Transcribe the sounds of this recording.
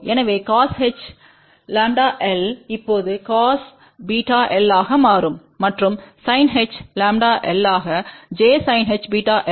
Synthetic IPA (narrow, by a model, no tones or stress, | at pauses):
ɛnɐʋeːkaːsɦɛt͡ʃ | laːɳɖaːʔɛlɪpːoːðɯkaːs | biːʈaːʔɛlːaːɣɐmaːɾɯmːɐʈrɯmsɐɪnɦɛt͡ʃlaːmɖaːʔɛlːaːɣɐd͡ʒeːsɐɪnɦɛt͡ʃbiːʈaːʔɛ